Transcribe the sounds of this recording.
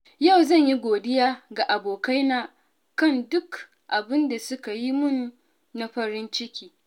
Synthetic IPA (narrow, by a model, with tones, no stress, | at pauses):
ja˦˨wzɐ˦˨ɲji˦ɡʷoː˨dɪ˦jaː˦ɡa˨ʔa˨boː˨ka˦jnaː˨ | kɐ˦˨ndʊ˦k | ʔa˨bɪ˦nda˨sʊ˦ka˨ji˦mʊ˦nː˦ | a˦ɸɐ˦ɾɪ˦nt͡ʃɪ˦kʲiː˨